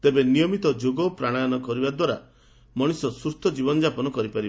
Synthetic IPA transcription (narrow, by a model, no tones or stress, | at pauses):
t̪ebenijɔmit̪ɔd͡ʒoɡɔpɾaɽ̃aanɔkɔɾibad̪waɾa̰ | mɔɽ̃isɔsust̪ʰɔd͡ʒibɔnɔd͡ʒapɔnɔkɔɾipaɾibe